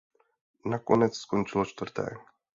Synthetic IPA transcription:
nakonɛt͡sskont͡ʃɪlot͡ʃt̪vrt̪ɛ̰ː

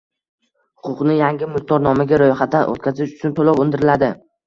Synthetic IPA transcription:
hʊqʰʊqnɪjaŋɡʲɪmʊχt̪ʰɒɾnɒmaɡʲaɾojχat̪ʰːaʔo̰t̪̚kʲʰazɪʃʊ̥t͡ʃʰʊnt̪ʰolɒwʊnd̪ɪɾɪlad̪ɪ

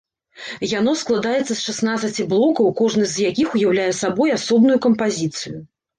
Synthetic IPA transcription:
janɔsklˠad̪ajɛt̪sːɐsʂasn̪at̪sɐt͡sʲiblˠɔkɐwkɔʐnɨzjakʲixujawlʲajɛsabɔjasɔbnujukɐmpazʲit̪sɨju

